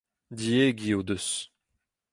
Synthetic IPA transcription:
dieɡiod̪øs

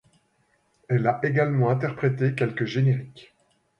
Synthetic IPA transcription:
ɛlaʔeɡalmɑ̃ɛ̃t̪ɛʁpχet̪ekʲɛlkəʒeneʁik

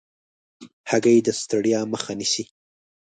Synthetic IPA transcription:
haɡajed̪əst̪aɽijɑməxanisi

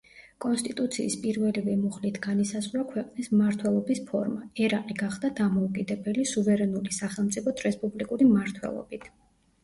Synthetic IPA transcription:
kʼɔnst̪ʼit̪ʼut̪sʰḭːspʼiɾvɛlivɛmuχlit̪ʰɡanisazʁwakʰwɛqʼnismmaɾt̪ʰwɛlˠɔbispʰɔ̰ɾmaɛɾaqʼiɡaχd̪ad̪amɔukʼid̪ɛbɛlisuvɛɾɛnulisaχɛlˠmt̪sʼipʰɔt̪ʰɾɛspʼublikʼuɾimaɾt̪ʰwɛ̰lˠɔ̰b̥it̪ʰ

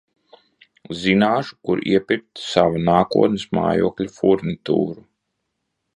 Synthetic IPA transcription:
zinaːʃu̥kuɾḭɛpiɾ̚t̪savanaːkuɔt̪nɨsma̰ːjṵɔklʲufuɾnit̪ṵːɾu

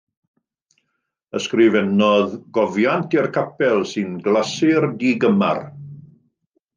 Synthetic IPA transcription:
əskrɪvɛnɔðɡ̥ɔvjantirkʰapɛlˠsɨnɡlasɪrdiɡəma̰r

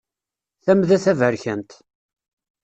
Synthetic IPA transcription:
θæmðæθævəɾçænt̪

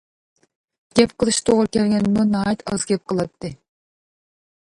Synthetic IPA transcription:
ɡ̥ʲɛpqəlˠɨʃt̪ʰoʁɾkʲʰɛɾɡʲɛnmunɑːjɛt̪ʰɑ̰zɡʲɛp̚qʰəlˠɑp̚t̪ːɨ

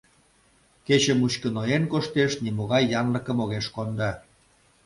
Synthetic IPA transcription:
ket͡ɕəmuɕkənojenkoʃt̪eʃnimoɣɑjːɑnlə̆kəmoɣeʃkond̪ɑ

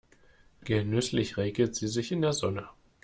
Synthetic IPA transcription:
ɡ̥ənʏslɪçʁeːɡl̩tz̥iːzɪçɪndeːɐzɔnə

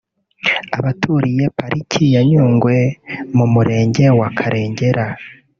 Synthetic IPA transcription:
aβatʰuɾijepaɾʔicʰijaɲuːŋɡwe̞mumuɾe̞ːɲɟe̞wakʰaɾʔe̞ːɲɟe̞ɾa

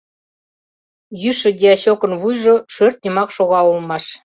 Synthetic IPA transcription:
jyʃɘ̆d̪ʲiɑɕokə̆nβujʒoʃørt̪̚nʲimɑkʃoɣɑulmɑʃ

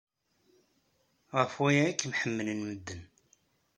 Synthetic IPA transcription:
ʁəfwæjæikːmħəmːələnməd̪ːən

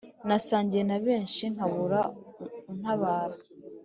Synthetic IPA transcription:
nasaːɲɟijenaβe̞ːɲʃiŋ̥aβuɾaun̥haβaːɾa

